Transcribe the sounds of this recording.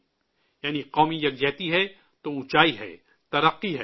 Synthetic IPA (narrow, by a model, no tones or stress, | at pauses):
jaːniqɔːmijɐɡ̚d͡ʒɛːt̪iɦɛ | t̪oʊ̃t͡ʃaːiɦɛ̰ː | t̪ɐɾəqːiɦɛ